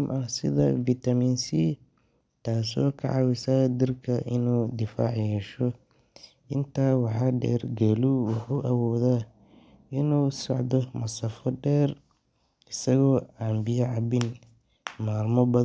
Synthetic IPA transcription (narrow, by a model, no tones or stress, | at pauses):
mʔɐsɪðɐfit̪ʰɐmiːnsi | t̪ʰaːsɔ̰ːkʰɐ̰ʕɑwɪsad̪ɪrkʰɐʔɪnuːd̪ɪfa̰ːʕjɛːʃɔ | ʔɪnt̪ʰaːwɑħɑːɖɛ̰ːrɡɛluwʊħuːʔɐwɔːðaː | ɪnuːsɔ̰ʕðɔmɐsɐfɔɖɛːr | ɪsɐɣɔːaːmbɪjɐʕɑβɪn | maːlmɔbɐ